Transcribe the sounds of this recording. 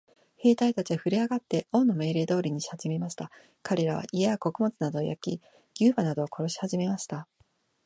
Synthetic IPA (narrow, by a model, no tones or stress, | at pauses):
he̞ːt̪ait̪at͡ɕiaɸɯ̟ɾʲiaɡat̪ːe̞õ̞nːo̞me̞ːɾe̞ːd̪o̞ːɾʲiɲ̟iɕat͡ɕime̞maɕi̥t̪a | kaɾe̞ɾaβa̰ʔiaako̞kɯ̟mo̞t͡sɨnad̪o̞ːja̰kʲi | ɡʲɨːbanad̪o̞ːko̞ɾo̞ɕi̥haʑime̞maɕi̥t̪a